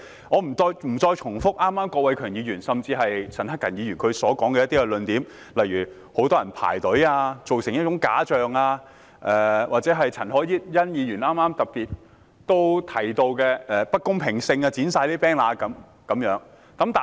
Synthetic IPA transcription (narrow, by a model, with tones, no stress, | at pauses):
ŋɔː˨˧m̩˨˩t͡sɔː˧jm̩˨˩t͡sɔː˧jt͡ʃʰʊ˨˩ŋfʊ˥k̚ʔaː˥mːaː˥mkɔː˧k̚wɐ˨˧jkʰœː˨˩ŋjiː˨˧jyː˨˩nsɐ˨mt͡siː˧ɦɐ˨jt͡sʰɐ˨˩nhɐ˥kːɐ˨˩njiː˨˧ɥyː˨˩kʰɵ˨˧ɥsɔː˨˥kɔː˨˥ŋkɛ˧jɐ˥t̪iː˥kɛ˧lɵ˧nt̪iː˨˥m | lɐ˨˩jɥyː˨˩ | ho˨˥wt̪ɔː˥jɐ˨˩npʰa̰ː˨˩jt̪ɵ˨˥aː˧t͡so˨wsɪ˨˩ŋjɐ˥t̚t͡ʃʊ˨˥ŋkaː˨˥t͡ʃœː˨ŋaː˧ | ʔɛː˨˩wʔaː˨t̚t͡sɛː˨˥ɦɐ˨jt͡sʰɐ˨˩nhɔː˨˥ji˥t̚jɐ˥njiː˨˧jyː˨˩naː˥maː˥mt̪ɐ˨k̚piː˨t̚ | t̪o˥wt̪ʰɐ˨˩jt̪o˧wkɛː˧ɛː˨pɐ˥t̚kʊ˥ŋpʰɪ˨˩ŋsɪ˧ŋaː˧t͡siː˨˥nsaː˧jliː˥pɛː˥nlaː˧kɐ˨˥m | kɐ˨˧˥mjœː˨˥ŋ | k̪ɐ˨˥mt̪aː˨